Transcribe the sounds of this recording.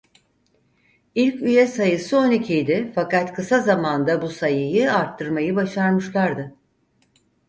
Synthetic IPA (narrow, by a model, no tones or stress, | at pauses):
ilʲcyjɛsajɯsɯonicʰijd̪ɪfakat̪kʰɯsazamand̪abusajɯjɯaɾt̪ʰːɯɾmajɯbaʃaɾmɯʃlˠaɾd̪ɯ